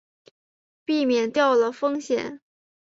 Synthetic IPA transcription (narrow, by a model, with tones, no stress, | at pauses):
pi˥˩mjɛ˨˩nt̪jɑ˥˩ʊlə˩fɤ˥ŋɕjɛ̰˨˩˦n